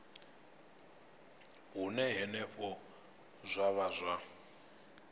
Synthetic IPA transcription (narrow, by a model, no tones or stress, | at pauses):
ɦunɛɦɛnɛɸɔ | zʷaβazʷwa